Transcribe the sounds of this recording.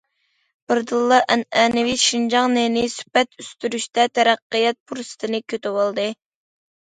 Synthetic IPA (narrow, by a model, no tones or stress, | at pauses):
b̥ɨɾd̪ɨlˠːɑʔɛnɛnɪwiʃind͡ʒɑŋnenɪsy̥pɛt̪ʰyst̪yɾyʃt̪ɛt̪ʰɛɾæqːɨjɛt̪̚pʰuɾsɨ̥t̪ʰɨnɨkʲʰøt̪ɪwɑlˠd̪ɨ